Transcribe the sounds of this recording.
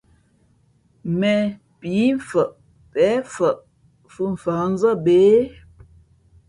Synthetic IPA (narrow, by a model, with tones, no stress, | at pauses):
mɛ˨ | pi˨˦ɱ˨fə˨ʔ | pɛː˨˦fə˨ʔ | fu˦m̩˨fa˨˦n̩˦zə˦˨beː˨˦